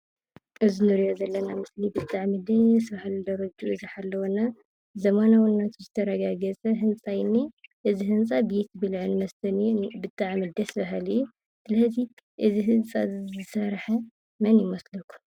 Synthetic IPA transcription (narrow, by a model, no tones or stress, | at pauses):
ʔɨzinɨɾijozɐlːɐnamɨslibɨt̪ʼaʕmɨd̪ɐsβahlid̪ɐɾɐd͡ʒuʔɨziħalːɐwona | zɐmanawɨnːat̪ʰozɨt̪ʰɐɾɐɡaɡɐt͡sʼɐɦɨnt͡sʼajnːiʔɨziɦɨnt͡sʼabet̪bɨlʕɨnmɐst̪ʰɐnbɨt̪ʼːaʕmɨd̪ɐsβaɦaliju | sɨlɐzi | ʔɨziɦɨnt͡sʼazzɨsɐɾħɐ | mɐnjɪmɐslɐkʰu̥